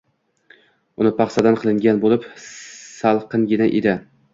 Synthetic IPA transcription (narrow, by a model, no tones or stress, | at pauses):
ʊnɪpʰɑχsad̪anqʰɨlˠɪŋɡʲanbolˠɪpsalˠqɨnɡʲɪnaʔḛd̪ɪ